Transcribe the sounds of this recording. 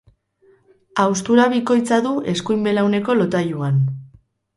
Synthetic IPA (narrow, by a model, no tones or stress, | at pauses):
awst̪uɾaβiko̞jt͡saðuʔe̞skujmbe̞lawne̞ko̞lo̞t̪ajuan